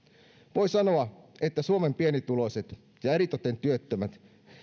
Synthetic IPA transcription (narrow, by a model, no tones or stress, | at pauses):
ʋoisɑno̞ɑet̪ːæsuome̞mpie̞nit̪ːulo̞iset̪ | jɑeɾit̪ot̪ent̪yøt̪ːømæt̪